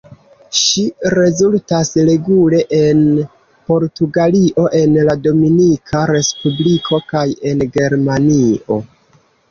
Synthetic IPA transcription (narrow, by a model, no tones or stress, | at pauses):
ʃiɾe̞zultasɾe̞ɡule̞ʔen | po̞ɾtuɡaliʔo̞ʔe̞nlado̞minikʰaɾe̞spublikʰo̞kaje̞nɡe̞ɾmanio̞